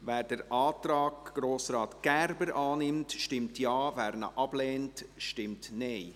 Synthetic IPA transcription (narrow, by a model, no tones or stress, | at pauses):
vɛːɾdəɾʔɑːtɾɑːɡɡ̥ɾoːsɾɑːt̪ɡ̥æɾbəɾʔɑːnɪmtʃtɪmtjɑːvæːɾnə̰ʔɑb̥lɛːntʃtɪmtneɪ